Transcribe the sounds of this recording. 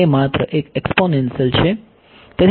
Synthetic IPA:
emat̪ɾəʔekeksponensjəlt͡ɕʰe | t̪et̪ʰ

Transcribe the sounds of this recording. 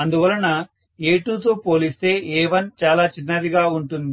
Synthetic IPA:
ɐnd̪uʋɐlɐnːɐ | eːʈuːt̪oːpo̞ːlist̪e̞ːʔɛːʋɐnt͡ʃaːlaːt͡ʃinːɐd̪iɡaːuɳʈund̪i

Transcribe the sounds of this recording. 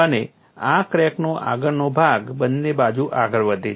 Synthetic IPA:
əne | akɾɛknoʔa̰ɡəɾnobʱaɡbənːebad͡ʒuʔaɡəɾʋəd̪ʱe

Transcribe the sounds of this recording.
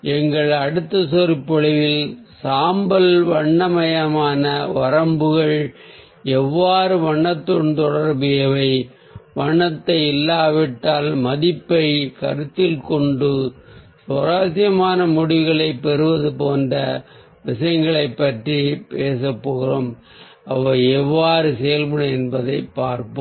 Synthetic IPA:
ɛŋɡɐɭɐɽɯt̪ːɐsɔɾɯpːɔɻɪʋɪl | saːmbɐlʋɐɳːɐmɐjɐmaːnɐʋɐɾɐmbɯɣɐɭ | ɛʋːaːɾɯʋɐɳːɐt̪ːɔnt̪ɔɽɐɾbɪjɐʋɐɪ | ʋɐɳːɐt̪ːɐɪɪlːaːʋɪʈːaːlmɐðɪpːɐɪkɐɾɯt̪ːɪlkɔɳɖɯ | sɐɾaːsɪjɐmaːnɐmɔɽɪʋɣɐɭɐɪpːɛɾɯʋɐðɯpoːndrɐ | ʋɪʂɐjɐŋɡɐɭɐɪpːɐʈripeːsɐpːoːɣɯroːm | ʔɐʋɐɛʋːaːɾɯsɛjɐlbɯɽɐɛnbɐðɐɪpːaːɾpɯ

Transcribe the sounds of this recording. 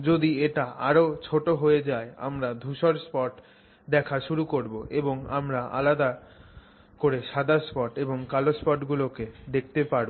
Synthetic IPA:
d͡ʑod̪ieʈaʔaɾot͡ɕʰoʈoɦoed͡ʑaea̰mɾad̪ʱuʃoɾspɔʈ | d̪ɛkʰaʃuɾukoɾboʔeboŋa̰mɾaʔa̰lad̪a | koɾeʃad̪ʱaspɔʈeboŋkalospɔʈɡuloked̪ek̚ʰt̪epaɾbo

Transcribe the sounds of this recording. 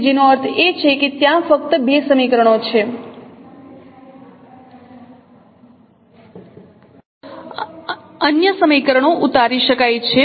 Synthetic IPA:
d͡ʒinoəɾt̪ʰet͡ʃʰeket̪jãfək̚t̪əbesəmikəɾəɳot͡ʃʰe | ənjəsəmikəɾəɳ̃oʔut̪aɾiʃəkajt͡ʃʰe

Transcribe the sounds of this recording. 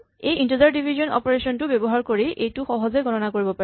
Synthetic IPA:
ejintozaɹdibʱizɔnɔ̰pɔɹesɔntʊbebɔɦaɹkoɹiʔejtʊxɔɦɔzɛɡʱɔnɔnakoɹibɔpaɹɛ

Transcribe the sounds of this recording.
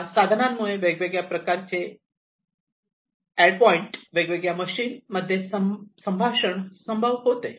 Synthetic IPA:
sad̪ʱnammuɭeʋeɡʋeɡɭjapɾəkaɾt͡se | ɛɖpɔiɳʈʋeɡʋeɡɭjaməɕiːnməd̪ʱːjesəsəmbʱaɕəɳsəmbʱəʋɦot̪e

